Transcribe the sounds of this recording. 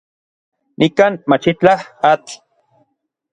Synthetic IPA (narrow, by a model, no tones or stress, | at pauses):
nʔikaːnmat͡ʃit͡ɬahat͡ɬ